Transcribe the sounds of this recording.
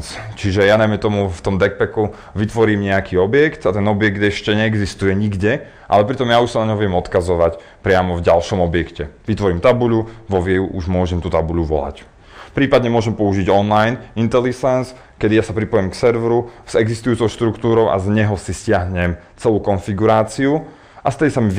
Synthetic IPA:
t͡ʃiʒɛjanajmɛt̪ɔmuft̪ɔmd̪ɛk̚pɛku | ʋit̪ʋɔɾiːmɲɛjakʰiːɔbjɛkt̪at̪ɛnɔbɪjɛɡ̚d̪ɛʃcɛɲɛːɡzist̪ujɛɲiɡɟɛ | ʔa̰lɛpɾit̪ɔmjauʃsanaɲɔɦɔʋɪɛmɔt̪kazɔʋac | pɾɪamɔvɟalʃɔmɔbjɛkcɛʋit̪ʋɔɾiːmt̪abuʎuʋɔʋɪɛuʔuʒmʊɔʒɛmt̪ut̪abuʎuʋɔ̰la̰c | pɾiːpad̪ɲɛmʊɔʒɛmpɔuʒiɟɔnlajnint̪ɛlisɛns | kɛd̪ijasapɾipɔjɛmksɛɾʋɾuz̥ɛɡzist̪ujuːt͡sɔʊʃt̪ɾukt̪uːɾɔʊʔa̰zɲɛɦɔsiscɪaɦɲɛm | t͡sɛluːkɔnfiɡuɾaːt͡siu | ʔast̪ɛd̪isami

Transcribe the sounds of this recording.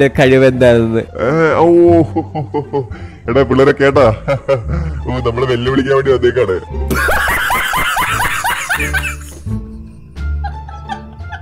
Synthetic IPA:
ekɐɻiʋend̪aːunnːɨ̰o | eɽepiɭːɐɾokːeːʈːaː | nɐmːɐɭeʋelːɐʋiɭikʲːaːmʋeːɳɖiɐd̪ʱːeːkːaːɳɨ

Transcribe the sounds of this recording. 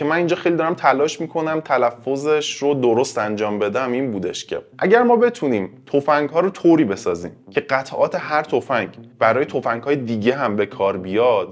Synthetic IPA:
ce̞mæniːnd͡ʒɒːxejlid̪ɒːɾæmt̪ʰælɒːʃmiːkʰo̞næmt̪ʰælæfːo̞zeʃɾod̪oɾo̞st̪ænd͡ʒɒːmbe̞d̪æmiːnbuːd̪e̞̰ʃcʰe̞̰ʔæɟæɾmɒːbe̞t̪ʰuniːmt̪ʰofæŋɡɦɒːɾot̪ʰoːɾiːbe̞sɒːzḭːmcʰe̞ɢæt̪ʰʔɒːt̪ʰe̞ɦæɾt̪ʰo̞fæŋɡb̥æɾɒːje̞t̪ʰofæŋɡ̥hɒːje̞d̪iːɟe̞ɦæmbe̞kʰɒːɾbijɒd̪̥

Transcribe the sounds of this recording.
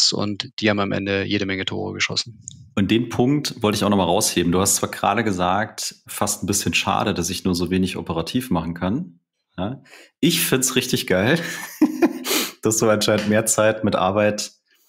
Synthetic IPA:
sʊ̰ntd̥iːhaːm̩amʔɛ̰ndəjeːɾəmɛŋətʰo̰ːʁə̰ɡəʃɔ̰sn̩ʔʊnt̚d̥eːnpʰʊŋktv̥ɔltəɪçaʊnɔχmalʁaʊsheːbm̩duːhastt͡sv̥aːɐɡ̥ʁa̰ːɾəɡəzaːk̚tfastn̩bɪsçənʃa̰ːɾəd̥asɪçnuːɐzoːveːnɪçʔo̰pəʁ̞atʰiːfmaχn̩kʰan | jaːʔɪçfɪntsʁɪçtɪçɡ̥aɪl | d̥asd̥uːanʃaɪntmeːɐt͡saɪtmɪtʔa̰ɐbaɪt

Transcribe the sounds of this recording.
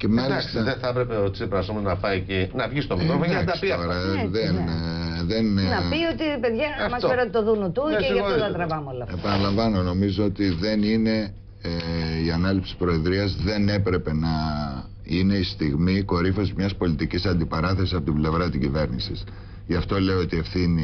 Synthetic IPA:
cemɐlisst̪ɐðeθɐpɾepeosepɾɐsomonɐfɐicinɐvʝist̪omiɾoɐkd̪ɐst̪oɾɐðenðennɐpiot̪ipeðʝɐmɐspeɾot̪et̪oðunot̪uɐot̪ɐt̪ɾɐvɐmolɐfepɐnɐlɐɱvɐno̞no̞mizoo̞t̪iðe̞nine̞ | iɐnɐlipsi̥pɾo̞eðɾiɐzðe̞ne̞pɾe̞pe̞nɐ | ineist̪iɣmiko̞ɾifo̞zmɲɐspo̞lit̪icisɐnd̪ipɐɾɐθe̞sisɐpo̞t̪ible̞vɾɐt̪iɟive̞ɾnisis | ʝɐft̪o̞le̞oo̞t̪ie̞fθini

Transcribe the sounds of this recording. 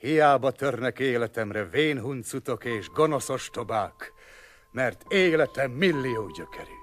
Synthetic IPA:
hijaːbɒt̪ørnɛkeːlɛt̪ɛmrɛveːnɦunt̪sut̪o̞keːʒɡono̞so̞ʃt̪o̞baːk | mɛrt̪eːlɛt̪ɛmːilːijoːɟøkʰɛɾi

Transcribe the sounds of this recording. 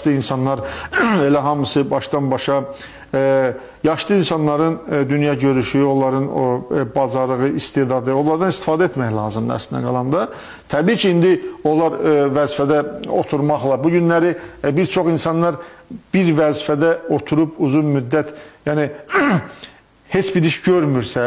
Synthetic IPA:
ʃt̪ɯinsɑnːˠɑɾelæɦɑmɯsɯbɑʃd̪ɑnbɑʃɑ | jɑʃlˠɯinsɑnlːˠɑɾɯnd̪ynjɑɟø̞ɾyʃyo̞lˠɑɾɯnbɑzɑɾlˠɯɣɯʔist̪eːd̪ɑd̪ɯo̞lˠɑɾd̪ɑnist̪i̥fɑːd̪æet̪mæçlˠɑːzɯmd̪̰æ̰slind̪æ̰ɡɑlˠɑnd̪ɑ | t̪ʰæbiːcʰiind̪io̞lˠɑɾvæzifæd̪æo̞t̪ʰuɾmɑχlˠɑbuɟynlæɾibiɾt͡ʃʰo̞χinsɑnːˠɑɾb̥iɾvæzifæd̪æo̞t̪ʰuɾupʰuzunmyd̪ːæt̪jæːni | he̞t͡ʃbiɾiʃɟøɾmyɾsæ

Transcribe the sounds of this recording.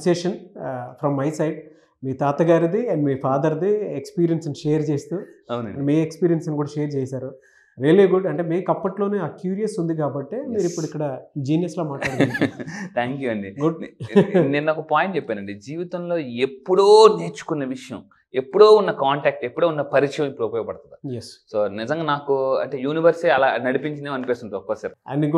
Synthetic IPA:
seʂɐnpʰɾɐmːɐjsɐjɖ | miːt̪aːt̪ɐɡaːɾid̪imiːpʰaːd̪ɐɾd̪iekspiːɾijɐnsniʃeːɐɾt͡ʃeːst̪uːɐwnɐmiːekspiːɾijɐnsnkuːɽɐʃeːɾt͡ʃeːsaːɾu | ɾeliɡuɖɐɳʈe̞ːmiːkɐpːɐʈloːneːaːkjuːɾijɐsund̪ikaːbɐʈːe̞ːmiːɾipːuɽuikːɐɽɐd͡ʒiːnjɐsloːmaːʈaːɽɐk̪ːnit̪ʰaːŋkjuɐɳɖiɡuɖ | nennakɐpaːjiɳʈt͡ʃepːeːnɐɳɖed͡ʒiːʋit̪ɐmlo̞ːepːuɽoːneːt͡ʃu̥kunːɐʋiʂɐjɐ̰m | epːuɽoːunːɐkaːɳʈaːk̚ʈepːuɽoːunːɐpɐɾiʂɐjɐ̃mipːuɽopoːjɐpɐɽɐt̪ɐd̪ijessoːnizɐ̃ŋɡaːnaːkuɐ̰ɳʈe̞ːjuːniʋɐɾsiiɐlaːnɐɽipiɲt͡ʃinemɐnipeːst̪unʈ̪uɔf̚kːɐːsaːɾeɐ̰nːiɡ

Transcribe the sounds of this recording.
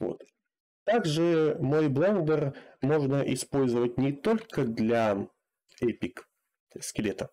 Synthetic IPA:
vo̰t̪ | t̪ːaɡʐɨmo̞jblˠond̪ərmo̞ʐnəʔɪspo̞lʲzəvətʲnʲɪt̪o̞lʲkəd̪lʲa | ɛpʲɪk | skʲɪlʲet̪ə

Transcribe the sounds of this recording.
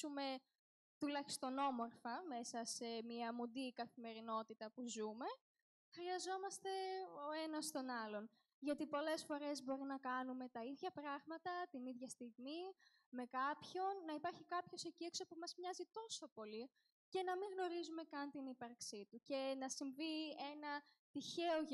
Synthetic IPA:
ume̞ | t̪ulɐçi̥st̪o̞no̞mo̞ɾfɐme̞sɐse̞miɐmund̪ikɐθime̞ɾino̞t̪it̪ɐpuzume̞ | xɾiɐzo̞mɐst̪e̞o̞e̞nɐst̪o̞nɐlo̞n | ʝɐt̪ipo̞le̞sfo̞ɾe̞zbo̞ɾinɐkɐnume̞t̪ɐiðʝɐpɾɐɣmɐt̪ɐt̪iniðʝɐst̪iɣmi | me̞kɐpço̞nːɐipɐɾçikɐpço̞seciekso̞pumɐzmɲɐzit̪o̞so̞po̞li | ce̞nɐmiŋɣno̞ɾizume̞kɐnt̪inipɐɾksit̪uce̞nɐsiɱvie̞nɐ | t̪içe̞oʝ

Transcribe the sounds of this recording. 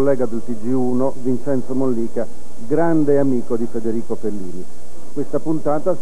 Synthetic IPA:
lːɛːɡad̪elt̪id͡ʒiuːnovint͡ʃɛnt̪somonliːka | ɡɾand̪eamiːkod̪ifed̪eɾiːkofelːiːni | kwest̪apunt̪aːt̪a

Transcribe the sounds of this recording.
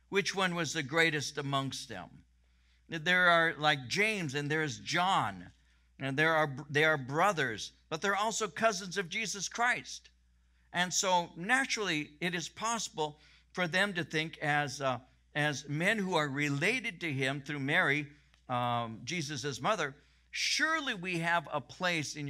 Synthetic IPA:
wɨt͡ʃwʌ̃nwʌzðɨɡɹeɪɾɨstəmʌ̃ŋkst̪̚ðɨ̰̃m | ðə˞ə˞laɪk̚d̥ʒ̥ẽɪ̃mzɨ̃nðə˞ɨzd͡ʒɑ̃n | ðə˞ːðeəbɹʌðə˞zb̥ʌt̪̚ðə˞ɔlˠsoʊkʰʌzə̃nzʌvd͡ʒizəskʰɹ̥aɪst | ʔɨ̃nsoʊnæt͡ʃɹl̩ˠiɪɾɨz̥pʰɑsəbl̩ˠ | fə˞ðɨ̃mtɨθɪ̃ŋkʰɨz | ɨzmɛ̃nhuə˞ɹɪleɪɾɨd̚tɨɪ̃mθɹʉmɛɹi | d͡ʒizɨsɨzmʌðə˞ | ʃʊɹlˠiwiɨvə̰pʰl̥eɪsɨ̃n

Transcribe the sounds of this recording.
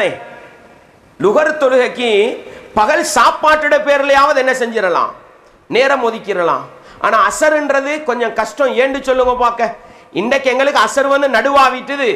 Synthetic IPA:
e | lʊɣɐɾt̪ɔɻɯɣɐkːipɐɣɐɭsaːpːaːʈːɯɽɐpeːɾɪlɐjaːʋɐðɛnːɐsɛɲd͡ʒɪɾɐlã̰ː | neːɾɐmːɔðɪkːɪɾɐlã̰ː | ʔa̰ːnaːɐsɐɾɪndrɐðɯkɔɲd͡ʒɔ̃kɐʂʈɐ̃eːɳɖɯt͡ʃːɔlːɯŋɡɐpaːkːɐ | ɪnd̪ɐkːɛŋɡɐɭɯkːɯɐsɐɾʋɐnd̪ɯnɐɽɯʋaːʋɪʈːɯðɯ

